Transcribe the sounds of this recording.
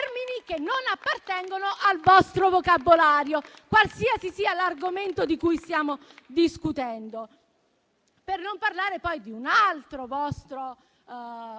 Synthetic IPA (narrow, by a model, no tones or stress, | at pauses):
rminikenːonapːart̪ɛŋɡonoʔalvɔst̪ɾovokabːolaːɾjokwalsiːasisiːalarɡoment̪od̪ikujst̪jaːmo | d̪iskut̪ɛnd̪o | pernomparlaːɾepɔjd̪iunalt̪ɾovɔst̪ɾo